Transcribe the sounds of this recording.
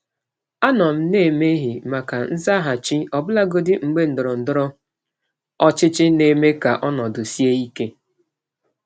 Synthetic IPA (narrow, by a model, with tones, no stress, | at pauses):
a˦nɔ˨m̩˦ne˦˨me˦ɦi˨ma˨ka˨n̩˦za˦ɦa˨t͡ʃɪ˦ɔ˨bʊ˦la˦ɡo˦dɪ˦ŋ͡m̩˨ɡ͡be˦n̩˨dʊ˨ɾɔ˨n̩˨dʊ˦ɾɔ˦ | ɔ˦t͡ʃɪ˦t͡ʃɪ˦ne˨me˦ka˨ʔɔ˦nɔ˨dʊ˨si˦e˦i˦ke˦